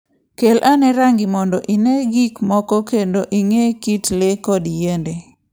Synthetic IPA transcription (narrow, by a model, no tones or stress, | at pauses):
kelʔanɛɾaŋɡɪmɔndɔʔineɡikmɔkɔkendoʔiŋekitlekɔdijende